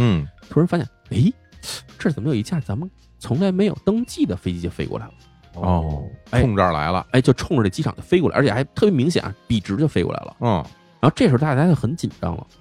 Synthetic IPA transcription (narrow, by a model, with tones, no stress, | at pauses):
n̩˥˩t̪ʰu˥ɻə˧˥nfa˥ɕjɛ̰˨˩ne˥˩ɪ | ʈ͡ʂɤ˥˩t͡sə˨˩məjo˨˩˧ɕja˥˩t͡sa˧˥mə˧n | t͡sʰʊ˧˥ŋla˧˥ɪme˧˥ɪjo˨˩ʊt̪ɤ˥ŋt͡ɕi˥˩d̪ə˩fe˥ɪt͡ɕi˧˥˩ə˨˩fe˥ɪkwɔ̰˥˩la̰˧˥ɪlə˦ | ɔ˥˧˩e˥˩ʊ˥˧ŋʈ͡ʂə˞˥˧˩la̰˧˥ɪlə̰˧e˥˩t͡ɕo˥˧ʊʈ͡ʂʰʊ˥˧ŋʈ͡ʂə˥˧˩t͡ɕi˥ʈ͡ʂʰɑ˨˩ŋt͡ɕ̪ə˧˥˧fe˥ɪkwʔt͡ɕʰɛ˨˩a˧˥t̪ʰɤ˥˩bjmi˧˥ŋɕ̬jɛ̰˨˩n̰˧˥pi˨˩ʈ͡ʂɻ̩˧˥t͡ɕo˥˩ʊfe˥ɪkwɔ̰˥˩a̰˧˥ɪlə̰˩˥˧ | ɻa˥xo˧ʊʈ͡ʂɤ˥˩ʂ̩˧˥˧t̪a˥t͡ɕa˥jo˥˩xə˧˥nt͡ɕi˨˩nʈ͡ʂɑ̰˥ŋlə̰˨